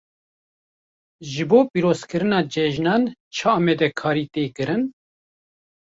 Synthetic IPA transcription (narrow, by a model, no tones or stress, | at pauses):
ʒɨboːpiːɾoːzkɨɾɨnɑːd͡ʒɛʒnɑːnt͡ʃʰaɑːmɛd̪ɛkʰɑːɾiːt̪eːkɨɾɨn